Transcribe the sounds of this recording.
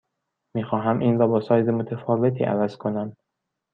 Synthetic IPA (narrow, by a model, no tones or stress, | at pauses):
miːxɒːɦæmʔiːnɾɒːbɒːsɒːjzemot̪ʰefɒːve̞t̪ʰḭːʔæ̰væz̥kʰonæm